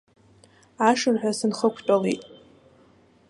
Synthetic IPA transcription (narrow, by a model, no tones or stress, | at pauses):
aʂɨrħʷᶣasɨnχəkʷʰt͡pʼalitʼ